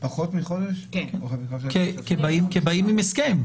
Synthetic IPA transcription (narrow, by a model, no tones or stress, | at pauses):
paχot̪miχod̪eʃkeakekebaimkebaimimeskem